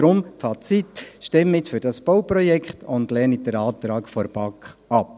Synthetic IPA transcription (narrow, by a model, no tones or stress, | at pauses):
ɾʊmfɑt͡sit̪ʃtɪmːɪtfʏɾd̥ɑsb̥owprɔjɛkχtʊndlɛnidəɾɑːt̪ɾɑːkfɔɾb̥ɑkχɑp̚